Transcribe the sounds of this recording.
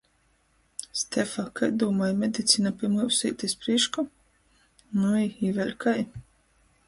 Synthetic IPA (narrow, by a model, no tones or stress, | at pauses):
st̪ɛfakajd̪uːmajmed̪it̪sʲinapʲiɛmliwsḭːt̪ispɾiʃkɔ | nuiivɛɾʲkaj